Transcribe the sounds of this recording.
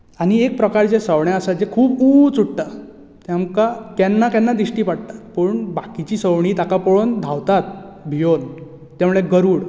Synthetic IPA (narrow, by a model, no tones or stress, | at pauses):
aɽ̃iek̚pɾəkaɾt͡ɕesəʋɳjaəsad͡ʑekʰuːbut͡suʈʈ̪a | t̪jamkakɛnːakjanːad̪iɕʈiːpaɽt̪ḁt̪pəɳbakit͡ɕiːsəʋɳiːt̪akapɔɭond̪ʱawt̪at̪̚bʱijon | t̪jãmuɭeɡəɾuːɽ